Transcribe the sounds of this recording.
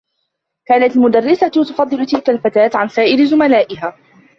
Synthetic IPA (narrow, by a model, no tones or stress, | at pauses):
kaːnat̪lmʊd̪arːɪsat̪t̪ʊfɑd̪ˤːɨlʊt̪ɪlkalfat̪aːt̪ʕansaːʔɪɾzʊmalaːʔɪɦaː